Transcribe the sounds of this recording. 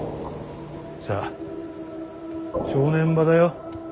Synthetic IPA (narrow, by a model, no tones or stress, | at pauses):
saː | ɕoːnẽ̞mbad̪ajo